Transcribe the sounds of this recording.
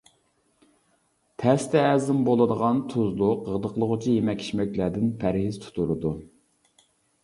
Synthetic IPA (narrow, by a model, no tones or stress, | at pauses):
t̪ʰɛst̪ʰɛːzɪmbolˠɨd̪əʁɑnt̪ʰuzlˠʊqəʁd̪əqlˠəʁʊt͡ʃʰijemɛkʲʰːi̥ʃmɛkʲlæd̪ɪnpʰæɾhiz̥t̪ʰu̥t̪ʰuɾɨd̪u